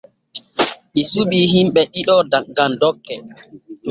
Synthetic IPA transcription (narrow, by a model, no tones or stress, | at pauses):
ɗisubiːɦimɓɛɗiɗɔaɡandɔkːɛ